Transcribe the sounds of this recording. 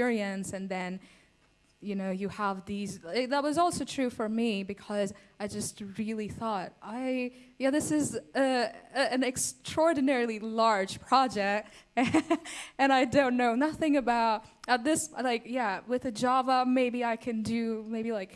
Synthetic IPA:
ɪɹiɨ̃nsɨ̃nðɨ̃n | jɨnoʊjɨəvðizðət̚wʌzɔlˠsoʊtʰɹ̥ʉfə˞mibɨkʰʌz | aɪd͡ʒʌst̚ɹɪlˠiθɔt̚ʔaɪɪjæðɪsɨzɨɨ̃nɨkstɹ̥ɔɹdⁿn̩ɛɹl̩ˠilɑɹd̥ʒ̥pʰɹ̥ɑd͡ʒɛk̚t̚ | ɨ̃ɾ̃aɪdõʊ̃nnːoʊnʌθɪ̃ŋɨbaʊt̚ | ʌðɪslaɪkjæwɨðɨd͡ʒɑvəmeɪbiaɪkʰɨ̃ndɨmeɪbilaɪk

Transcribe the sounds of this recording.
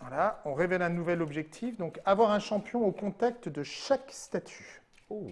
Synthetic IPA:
vwalaɔ̃ʁevɛlɛ̃nuvɛlɔbʒɛk̚t̪ʰifd̪ɔ̃kavwaʁɛ̃ʃɑ̃pjɔ̃okɔ̃t̪akt̪d̪əʃakst̪at̪ʰy̥

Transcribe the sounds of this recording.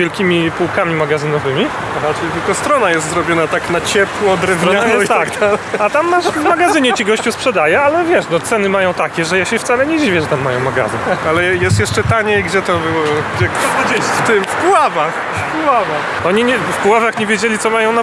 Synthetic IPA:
jɛlkʲimʲipuwkamʲimaɡazɘnɔvɘmʲi | ɔɾat͡ʂɛjt̪ɘlkɔst̪ɾɔnajɛst̪zɾɔbʲjɔnat̪aknat͡ɕɛpwɔɔd̪ɾɛvɾɔɲɛt̪aɡd̪alɛat̪amːaʂvmaɡazɘɲɛt͡ɕiɡɔɕt͡ɕuspʂɛd̪ajɛalɛvʲjɛʂnɔt̪sɛnɘmajɔ̃w̃t̪akʲɛʐɛjaɕɛft̪salɛɲɛd͡ʑivʲjɛʐɛt̪amːajɔ̃w̃maɡa̰zɨnalɛjɛst̪jɛʂt͡ʂɛt̪aɲɛɡd͡ʑɛt̪ɔbɘwɔɔɛkd͡ʑet̪ɘmfkuwavax | fpuwavax | ɔɲiɲɛfpuwavaxɲɛvʲjed͡ʑelʲit̪ɔmajɔ̃w̃na

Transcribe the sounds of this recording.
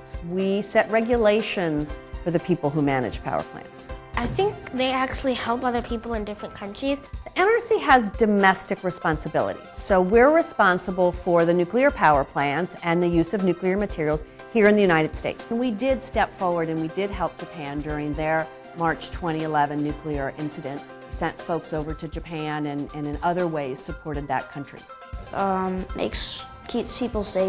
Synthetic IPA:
wisɛʔ̚ɹɛɡjɨleɪʃɨ̃nz̥fə˞ðɨpʰipl̩ˠɦumæñɨ̰d̥ʒ̥pʰa̰ʊə̰˞pʰl̥æ̰̃nsʔaɪθɪ̃ŋk̚ðeɪæk̚t͡ʃul̩ˠihɛlˠpʌðə˞pʰipl̩ˠɨ̃ndɪfɹɨ̃nkʰʌ̃nt͡ʃɹ̥iz̥ðiʔɛnə˞siɨzdɨmɛstɨkɹɨspɑ̃nsɨbɪ̰lˠə̰ɾḭz̥soʊwɪɹɹɨspɑ̃nsəbl̩ˠfə˞ðɨnʉkliə˞pʰaʊə˞pʰl̥æ̃nsɨ̃nðɨjʉzʌvnʉkliə˞mɨtʰɪɹil̩ˠz̥ | hiɹɨ̃nðɨjʉɾ̃aɪɾɨd̥steɪtsnwidɪd̥stɛpfɔɹwə˞ɾɨ̃nwidɪd̚ɦɛlˠp̚dʒ̥ɨpʰæ̃ndʊɹɪ̃ŋðə˞ | mɑɹt͡ʃtʰw̥ɛ̃ɾ̃iɨlɛvɨ̃nːʉkʰliə˞ʔɪ̃nsɨɾɨ̃nt | sɛ̃ntfoʊksoʊvə˞ɾɨd͡ʒɨpʰæ̃nɨ̃nɨ̃nɨ̃nʌðə˞weɪz̥sɨpʰɔɹɾɨd̪̚ðɨ̰t̚kʰʌ̃nt͡ʃɹ̥ḭ | mʔḛɪks | kʰitspʰipl̩ˠseɪ

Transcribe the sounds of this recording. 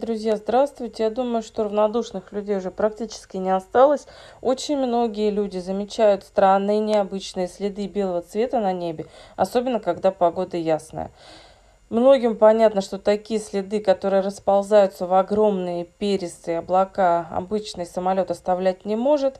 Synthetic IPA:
d̪ɾʊzʲjazd̪ɾast̪vʊjtʲɪjad̪uməjʊʂt̪o̞ɾəvnɐd̪uʂnɨxlʲʉdʲejʊʐɛpɾɐk̚tʲit͡ɕɪ̥skʲɪnʲɪɐst̪alˠəsʲo̞t͡ɕɪnʲmno̞ɡʲɪjəlʲudʲɪzəmʲɪt͡ɕæjʊt̪st̪ɾanːɨjnʲɪɐbɨt͡ɕnɨjəsʲlʲɪd̪ɨbʲe̞lˠəvət̪svʲe̞t̪ənɐnʲebʲɪɐ̰so̞bʲɪnːəkɐɡd̪apɐɡo̞d̪əjasnə̰jə̰ | mno̞ɡʲɪmpɐnʲat̪nəʂt̪o̞t̪ɐkʲijəsʲlʲɪd̪ɨkɐt̪o̞ɾɨjəɾəspɐlˠzajʊt̪səvɐɡɾo̞mnɨjəpʲeɾʲɪst̪ɨɪɐblˠɐkaɐ̰bɨt͡ɕnɨjsəmɐlʲo̞t̪ɐst̪ɐvlʲæt̚ʲnʲɪmo̞ʐɨt̪

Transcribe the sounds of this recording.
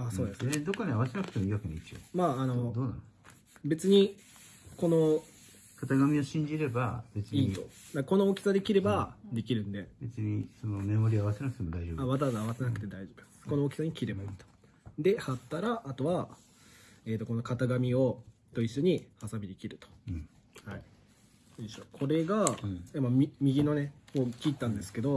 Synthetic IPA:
aːso̞ːd̪e̞sɲd̪o̞kːaɲiaβasenakɯ̟t̪emoiːβakenit͡ɕio̰maːno̞d̪oːnã̰no | be̞t͡sɨɲ̟i | ko̞no̞ | kat̪aɡamʲio̞ɕĩɲ̟d͡ʑiɾe̞ba̰be̞t͡sɨiɲːit̪o̞d̪akko̞no̞ːkʲi̥sad̪e̞kʲiɾe̞bad̪e̞kʲiɾɯ̟̃nd̪e̞be̞t͡sɨɲ̟isonomemo̞ɾʲiaβasenakɯ̟t̪emod̪aiʑobaβat̪aβazaːβasenakɯ̟̥t̪e̞d̪aiʑo̞ːbɯ | ko̞no̞ːkʲi̥saɲ̟ikʲiɾe̞baiːt̪o̥ | d̪e̞hat̪ːaɾaʔːt̪o̞βa | e̞ːt̪ːo̞ko̞no̞kat̪aɡamʲio̞ | t̪o̞iɕoɲ̟ihasabʲid̪ekʲiɾɯ̟t̪õ̥ | hai | d̪eɕokʰo̞ɾe̞ɡaamːamimʲiɡʲino̞nekoːkʲit̪ːãnd̪e̞sɨ̥ke̞d̪o̞

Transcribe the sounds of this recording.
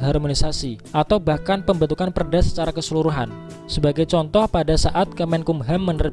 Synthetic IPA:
ɦarmonisasiʔat̪awbahkanpəmbənt̪ukanpərdasə̥t͡ʃaɾakəsəluɾuɦan | səbaɡajt͡ʃɔnt̪ɔhpadasaʔat̪̚kəmɛnkumɦamːənər

